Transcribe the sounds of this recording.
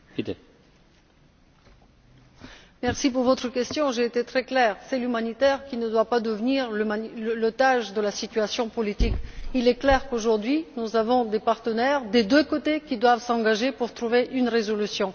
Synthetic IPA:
kit̪e | mɛʁsipuʁvɔt̪χəkʲɛst̪jɔ̃ʒeːt̪et̪χɛklɛːʁsɛlymanit̪ɛʁkʲinəd̪wapad̪əvniʁlmailəlot̪aʒd̪əlasit̪yasjɔ̃pɔlit̪ikilɛklɛʁkoʒuʁd̪ɥinuzavɔ̃d̪epaʁt̪ənɛʁd̪ed̪økot̪ekʲid̪wavsɑ̃ɡaʒepuʁt̪χuveʔynʁezɔlysjɔ̃

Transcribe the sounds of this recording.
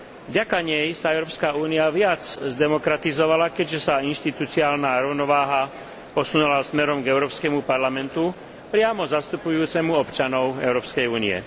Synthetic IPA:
vɟakaɲɛjsaɛʊɾɔːpskaːuːniaʋɪat͡szd̪ɛmɔkɾat̪izɔʋalakɛɟʒɛsainʃt̪it̪ut͡siaːlnaːɾɔʊnɔʋaːɦa | pɔsunulasmɛɾɔmɡɛʊɾɔːpskɛmupaɾlamɛnt̪u | pɾɪamɔzast̪upujuːt͡sɛmuɔpt͡ʃanɔʊɛ̰ʊɾɔːpskɛjuːniɛ̰

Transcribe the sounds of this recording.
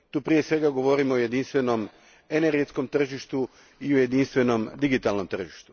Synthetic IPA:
t̪uːpɾije̞sʋe̞ɡaɡo̞ʋoɾimooje̞d̪inst̪ʋe̞no̞m | ene̞ɾɡet̪sko̞mt̪r̩ʒiʃt̪u | iuje̞d̪inst̪ʋe̞no̞md̪iɡit̪alno̞mt̪r̩ʒiʃt̪u̥

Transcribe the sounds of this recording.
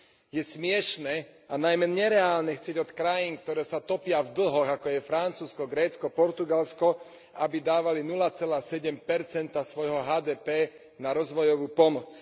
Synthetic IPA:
jɛsmɪɛʃnɛːanajmɛɲɛɾɛaːlnɛxt͡sɪɛɟɔt̪kɾajiːnkt̪ɔɾɛːsat̪ɔpɪavd̪l̩ɦɔɣakɔjɛfɾant͡suːskɔɡɾɛːt͡skɔpɔɾt̪uɡalskɔ | abid̪aːʋalinulat͡sɛlaːsɛɟɛmpɛɾt͡sɛnt̪asʋɔjɦɔɦaːd̪ɛːpɛː | naɾɔzʋɔjɔʋuːpɔmɔt͡s

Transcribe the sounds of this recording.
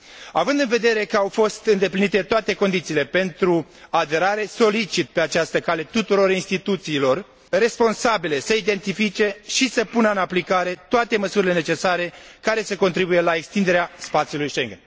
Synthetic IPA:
avɨnd̪ɨnve̞d̪e̞ɾe̞kəawfo̞st̪ɨnd̪e̞plinit̪e̞t̪oat̪e̞ko̞nd̪it̪siːle̞pe̞nt̪ɾu | ad̪e̞ɾaɾe̞so̞lit͡ʃit̪̚pe̞at͡ʃast̪əkale̞t̪ut̪uɾo̞ɾinst̪it̪ut̪siːlo̞r | re̞spo̞nsabile̞səid̪e̞nt̪ifit͡ʃe̞ʃisəpunəɨnaplikaɾe̞t̪oat̪e̞məsuɾile̞ne̞t͡ʃe̞saɾe̞kaɾe̞səko̞nt̪ɾibuje̞lae̞kst̪ind̪e̞ɾeaspat̪sjulujʃeŋɡen

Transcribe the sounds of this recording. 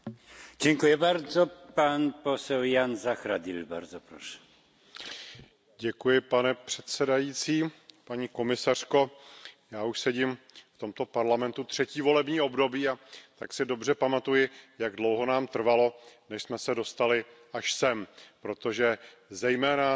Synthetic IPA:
d͡ʒɛŋkujɪbaɾd͡zopanposɛljanzaxɾad̪ɪlba̰ɾzopɾoʃɛ̥ | ɟɛkujɪpanɛpr̥ɛt̪sɛdajiːt͡siːpaɲiːko̞mɪsar̝̥ko̞jaːuʃsɛɟɪmft̪o̞mt̪o̞paɾlamɛnt̪ut̪r̝̥ɛciːvo̞lɛbɲiːo̞bdo̞biːat̪aksɪdo̞br̝ɛpamat̪ujɪjaɡdlo̞wɦo̞naːmt̪r̩valo̞nɛʃsmɛsɛdo̞st̪alɪ | aʃsɛmpɾo̞t̪o̞ʒɛ | zɛjmɛːna

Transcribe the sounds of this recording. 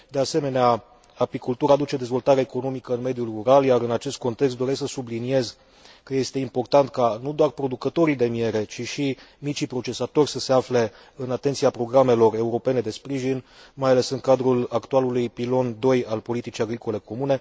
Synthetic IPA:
d̪e̞ase̞me̞nea | apikult̪uɾaːd̪ut͡ʃe̞d̪e̞zvo̞lt̪aɾaeko̞no̞mikəɨnme̞d̪julruɾaljaɾɨnat͡ʃe̞st̪̚ko̞nt̪e̞kst̪d̪o̞ɾe̞sksəsublinie̞z | kəje̞st̪e̞impo̞rt̪ant̪kanud̪oarpɾo̞d̪ukət̪o̞ɾid̪e̞mie̞ɾe̞t͡ʃiʃi | mit͡ʃipɾo̞t͡ʃe̞sat̪o̞rʲsəse̞afle̞ | ɨnat̪et̪siapɾo̞ɡɾame̞lo̞re̞uɾo̞pe̞ne̞d̪e̞spɾiʒinmajale̞sɨŋkad̪ɾulakt̪ualulujpilo̞nd̪o̞jalpo̞lit̪it͡ʃijaɡɾiko̞le̞ko̞mune̞

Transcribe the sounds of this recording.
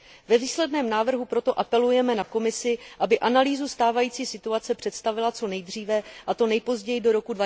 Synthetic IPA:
vɛviːslɛdnɛːmnaːvr̩ɦupɾo̞t̪o̞ʔapɛlujɛmɛnako̞mɪsɪʔabɪʔanaliːzust̪aːvajiːt͡siːsɪt̪uat͡sɛpr̥ɛt̪st̪avɪlat͡so̞nɛjd̪r̝iːvɛʔat̪o̞nɛjpo̞zɟɛjɪdo̞ɾo̞kudva

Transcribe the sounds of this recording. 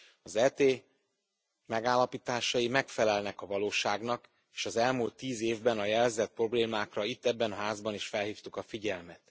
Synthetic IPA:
ɒzɛːt̪eː | mɛɡaːlːɒpit̪aːʃɒimɛkfɛlɛlnɛkɒvɒloːʃaːɡnɒk | e̥ːʃɒzɛlmult̪ːiːzeːvbɛnɒjɛlzɛt̪̚pro̞bleːmaːkrɒit̪ːɛbːɛnɦaːzbɒniʃfɛlhiːft̪ukɒfiɟɛlmɛt̪

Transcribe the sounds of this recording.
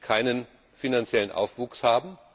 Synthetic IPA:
kʰaɪnən | finant͡sjɛlənʔa̰ʊfv̥uːkshaːbm̩

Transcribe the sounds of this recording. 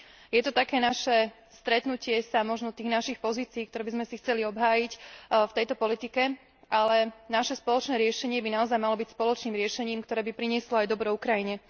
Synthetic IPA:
jɛt̪ɔt̪akɛːnaʃɛ | st̪ɾɛt̪nucɪɛsamɔʒnɔt̪iːɣnaʃixpɔziːt͡siːk̚t̪ɔɾɛːbizmɛsixt͡sɛliɔbɦaːjicft̪ɛjt̪ɔpɔlit̪ikɛ | ʔalɛnaʃɛspɔlɔt͡ʃnɛːɾɪɛʃɛɲɪɛbinaɔzajmalɔbicspɔlɔt͡ʃniːmɾɪɛʃɛɲiːmkt̪ɔɾɛːbipɾiɲɪɛslɔajd̪ɔbɾɔukɾajiɲɛ

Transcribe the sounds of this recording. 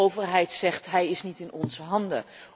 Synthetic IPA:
owvəɹɦɛjtsɛχtɦɛjɪsnitɪnɔnzəɦɑndə̰

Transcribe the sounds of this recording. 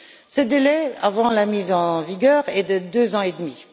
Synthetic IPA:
səd̪elɛa̰vɑ̃lamizɑ̃viɡʲœʁɛd̪əd̪øzɑ̃ed̪mi

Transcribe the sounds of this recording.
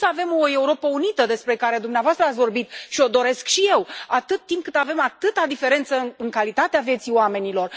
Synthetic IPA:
səave̞moe̞uɾo̞pəunit̪əd̪e̞spɾe̞kaɾe̞d̪umneavoast̪ɾəatsʲvo̞rbit̪ʃio̞d̪o̞ɾe̞skʃije̞wat̪ɨt̪ːimp̚kɨt̪ave̞mat̪ɨt̪ad̪ife̞ɾe̞nt̪səɨŋkalit̪at̪eavje̞t̪sioame̞nilo̞r

